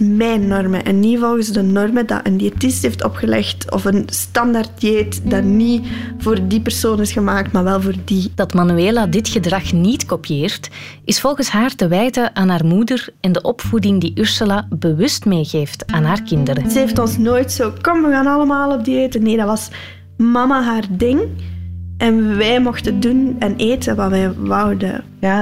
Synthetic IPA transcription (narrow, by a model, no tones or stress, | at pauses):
mɛːnːɔrmə̰ʔɛnːivɔlˠɣənzdənɔrmədɑ̰ʔəndietɪstɦeːftɔ̰pxəlɛ̰xtɔ̰fənstɑndart̚dieːtdaniv̥oːrdipɛr̥soːnɪsxəmaːk̚tmaːrʋɛlˠvoːrdid̥ɑtmanyeːladɪtxədrɑxnitkopijeːrt | ɪsfɔlˠɣənsɦaːrtəʋɛjtəʔaːnɦaːrmudərɛndəʔɔpfudɪŋdiʔʏrsəlabəʋʏstmeːɣeːftaːnɦaːrkɪndəɾəzəeftɔnsnoːjtsoːkɔmʋəɣaːnɑləmaːlˠɔb̚dieːtəneːdɑʋɑs | mɑmaɦaːrdɪŋ | ʔɛnʋɛːmɔxtədunɛneːtəʋaːʋɛːʋɑwdə̰ | a